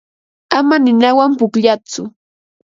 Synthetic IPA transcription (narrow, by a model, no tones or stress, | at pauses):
amanɪnawampʊkʎat͡sʊ